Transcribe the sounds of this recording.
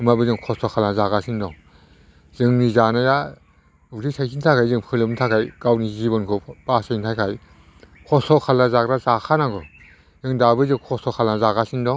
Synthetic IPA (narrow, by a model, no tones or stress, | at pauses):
ɯmabɯzɯŋkʰɔsɔkʰalnazaɡasindɔŋ | z̥ɯŋnizanaja | ɯzisʰajsʰintʰakʰajzɯŋpʰɯlɯmntʰakʰajɡ̥awnizibɯnkʰɯbasɯjntʰajkʰaj | kʰɔsɔkʰalnazakɾazakʰanaɡɯ | zɯŋdabɯzɯŋkʰɔsɔkʰalnazaɡasindɔ